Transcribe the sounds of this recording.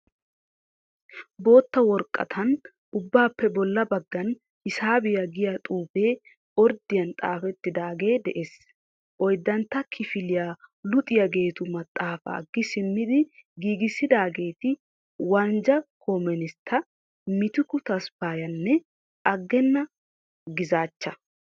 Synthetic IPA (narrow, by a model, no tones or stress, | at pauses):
bo̞ːt̪ːɐwɔɾkʼːɐ̰t̪ʰɐn | ʔʊbːaːpːɛbɔlːɐbɐɡːɐn | ɪsaːbɪjɐɡɪjat̪ʼuːbe̞ː | ɔɾd̪ɪjɐnt̪ʼaːfɛt̪ːɪd̪aːɡe̞ːd̪ɛʔeːs | ʔɔjd̪ːɐnt̪ːɐkʰɪfɪlɪjaːlʊt̪ʼɪjɐɡe̞ːt̪ʊmɐt̪ʼːaːfa̰ːɡːɪsɪmːɪd̪ɪɡiːɡɪsːɪd̪aːɡe̞ːt̪ɪ | wɐnd͡ʒɐkʰomɛnɪst̪ʰːɐ | mɪt̪ɪkʊt̪ɐspaːjɐnːɛ | ɐɡːɛnːɐ | ɡɪzaːt͡ʃːɐ